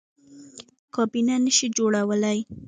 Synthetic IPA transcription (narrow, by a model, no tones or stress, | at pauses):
kɑbinanəʃid͡ʒoɽawəlaj